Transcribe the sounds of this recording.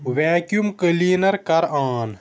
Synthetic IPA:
waːkjumkəliːnɐɾkɐɾaːn

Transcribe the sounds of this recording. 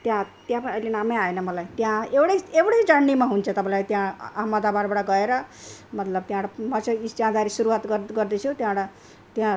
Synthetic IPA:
t̪jãt̪jãpʌniʌjlenameaenʌmʌlajt̪jãewɽeewɽed͡zʌɳːimaɦunt͡sʰʌt̪ʌpãlajt̪jãaɦmːʌd̪abaɾbaɽʌɡʌeɾʌmʌt̪lʌb̚t̪jãɽamʌt͡sʌid͡zãd̪aɾisuɾuwat̪ɡʌɡʌrd̪ʌt͡sʰut̪jãɽa | t̪jã

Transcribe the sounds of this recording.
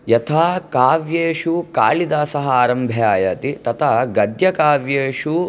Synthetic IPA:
jɐt̪ʰaːkaːʋjeːʃuka̰ːɭid̪aːsɐɦɐaːɾɐmbʱjaːjɐt̪it̪ɐt̪ʰɐːɡɐd̪jɐkaːʋjeːʃu

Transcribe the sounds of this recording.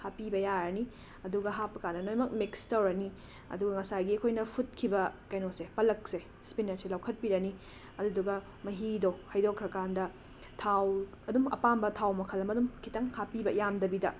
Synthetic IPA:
hapibɐjaɾɐni | ɐduɡɐɦapɐkandɐnojmɐk̚mikstɐwɾɐni | ɐ̰duɡɐŋɐsajɡiɐkʰojnɐpʰut̚kʰibɐkajnosepɐlɐk̚se | spinɐɾselawkʰɐt̚piɾɐni | ɐduduɡɐ | mɐɦidohɐjdokʰɾɐkandɐ | tʰaw | ɐdumɐ̰pambɐtʰawmɐkʰɐlɐmɐdumkʰitɐŋhapibɐjamdɐbidɐ

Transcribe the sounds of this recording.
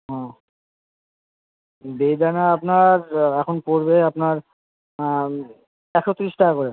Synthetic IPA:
ɦɛ̃ | bejd̪anaapnaɾɛkʰonpoɾbeapnaɾ | ɛkʰot̪ːɾiʃʈaakoɾe

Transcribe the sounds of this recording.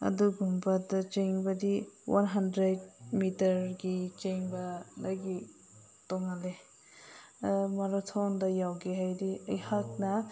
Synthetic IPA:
ɐ̰duɡumbadat͡ʃeŋbɐdiwʔa̰nɦandɾed̚mitɐɾɡit͡ʃeŋbɐlaɡi | tɔŋale | mɐɾɔtʰondɐjawɡeɦajdiɐjhak̚nɐ

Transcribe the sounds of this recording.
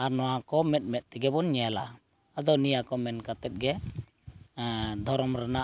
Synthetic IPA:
anɔakɔmɛt̪̚mɛt̪̚t̪ɛɡɛbɔnɲɛla̰ | ad̪ɔnijakɔmɛnkat̪ɛt̪̚ɡɛ | d̪ʱɔɾɔmɾana

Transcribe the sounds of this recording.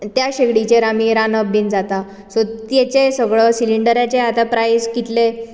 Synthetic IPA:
t̪jaɕeɡɽit͡ɕeɾamiɾanəbːind͡zat̪a | sot̪jet͡ɕesəɡɭəsiliɳɖəɾjat͡ɕeat̪apɾajskit̪le

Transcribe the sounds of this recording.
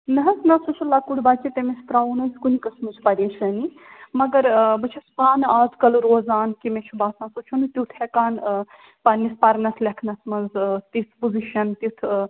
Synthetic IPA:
nɐɦɐsnɐsut͡ʃʰulaːkuɽʲbat͡ʃet̪emest̪ɾawnɐsʲkunikɐsmɐt͡ʃʰpɐɾet͡ʃʰɐni | mɐɡɐɾbɐt͡ʃʰɐspaːnaːzkɐlɾoːzaːnkimet͡ʃʰubaːsnãsut͡ʃʰunut̪ut̪ʰɛkaːn | pɐnispɐɾnɐt̪ʰlʲɐkʰnɐsmɐnzt̪it̪ʰpuziʃɐnt̪it̪ʰ

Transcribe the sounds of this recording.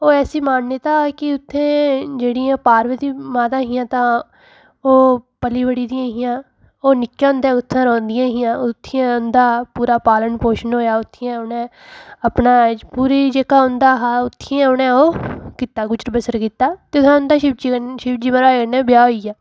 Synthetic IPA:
oːɛːsiːmaːnnːet̪ãːkɪʊt̪ʰːẽːd͡ʒeːɽijãːpaːɾʋəd̪iːmãːt̪ãːɦɪjãːt̪ãː | oːpəliːbəɽiːd̪ɪjãːɦɪjãː | oːnɪkjãːʊ̃nd̪aːʊt̪ʰːãːɾɔ̃ːnd̪ɪjãːɦɪjãːʊt̪ʰːɪjãːʊnd̪aːpuːɾaːpaːləɳpoːʃənɦoːjaːʊt̪ʰːɪjãːʊnɛ̃ː | əpnaːpuːɾiːd͡ʒeːkaːʊ̃nd̪aːɦaːʊt̪ʰːɪjãːʊnɛ̃ːoːkiːt̪ːaːɡʊt͡ʃəɾbəsəɾkiːt̪ːaːt̪eːʊt̪ʰãʊnd̪aːʃɪd͡ʒiʃɪbd͡ʒiːməɾaːeːɡənɛ̃ːbɪjaːɦoːijaː

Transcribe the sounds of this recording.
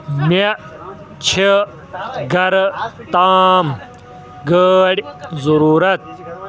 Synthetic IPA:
me | t͡ɕʰe | ɡɐɾt̪aːm | ɡəːɽzuɾuːɾɐt̪̚

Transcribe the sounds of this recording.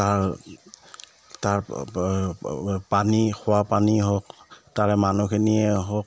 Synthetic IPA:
taɹ | taɹ | panikʰʊwapaniɦɔk̚taɹɛmanukʰɛniɛɦɔk̚

